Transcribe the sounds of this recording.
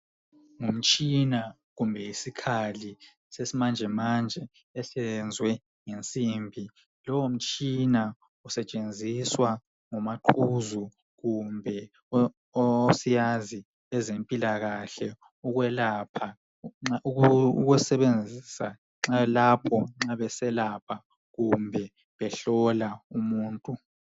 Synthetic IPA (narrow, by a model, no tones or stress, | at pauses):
ŋum̩t͡ʃʼina | ɣumbʱɛjisikʰali | sesimand͡ʒʱɛmand͡ʒʱɛː | ɬɛnd͡zʱwɛ | ŋent͡sʼiːmbʱi | lɔwom̩t͡ʃʼina | usɛt͡ʃʼend͡zʱiswa | ŋumaǃʰuzu | ɣumbʱɛ | oosijazi | ɛzempʼilaɣaɬɛ | uɣwɛlapʰa | uɣɛsɛβend͡zʱisa | ŋ͡ǁalapʰɔŋ͡ǁaβɛsɛlapʰa | ɣumbʱɛ | βɛɬɔlaumuːntʼu